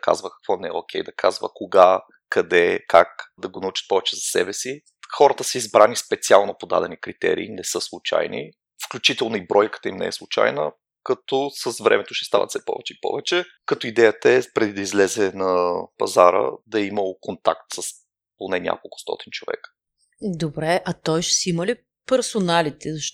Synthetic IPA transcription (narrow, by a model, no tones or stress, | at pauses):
ka̰zvəkɐ̥kvɔnɛɛ̰okʲʰɛjd̪ɐkʰazvə̰koɡa | kɐd̪ɛkakd̪ɐɡonɐut͡ʃɐ̥t̪̚pɔvɛt͡ʃɛzɐsɛbɛsi | xɔɾət̪əsɛizbɾanispɛt̪sialˠnopod̪a̰d̪ɛnikɾit̪ɛ̰ɾḭːnɛsɤslˠut͡ʃa̰jnḭ | fklʲʊt͡ʃit̪ɛlˠnoibɾɔjkə̥t̪əimnɛ̰ɛ̰slˠut͡ʃa̰jnə̰ | kɐt̪ɔsəsvɾɛ̰mɛt̪oʃɛ̥st̪a̰vɐ̰t̪sɛpɔ̰vɛt͡ʃɛipɔ̰vɛt͡ʃɛ | kɐt̪ɔid̪ɛjət̪əɛpɾɛd̪id̪ɐizlɛzɛnɐpɐ̰zaɾə̰d̪ɐiməkont̪a̰k̚t̪səs | ponɛnʲja̰kolˠkʊ̥st̪ɔ̰t̪int͡ʃovɛ̰kə̥ | d̪obɾɛʔɐt̪ɔjʃsiməli | pɛɾsonalit̪ɛzɐʃ